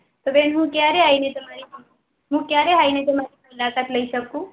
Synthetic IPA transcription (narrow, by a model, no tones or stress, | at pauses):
t̪obeːnɦũkjaːɾeaːinet̪ɐmaɾi | ɦũkjaːɾeɦaːinẽt̪ɐmaːɾipɐlaːkat̪lɐisɐb̚ku